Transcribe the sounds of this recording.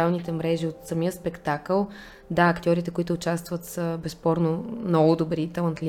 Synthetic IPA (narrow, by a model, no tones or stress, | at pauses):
alˠnit̪ɛmɾɛʒiot̪səmiəspɛkt̪akəlˠ | d̪aɐkt̪ʲɔɾit̪ɛkoit̪ʊːt͡ʃast̪vət̪səbɛspɔɾnomnɔɡʊd̪obɾit̪ɛlˠɐnt̪lʲi